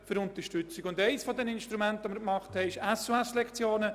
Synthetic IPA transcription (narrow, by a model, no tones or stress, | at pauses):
fʏɾʊnt̪əɾʃtʏt͡sɪɡʊndɛɪsfɔd̪ɛnɪnʃtɾumɛntʋoməɾkmɑχthɛɪɪʃɛsoɛslɛkt͡sjoːnə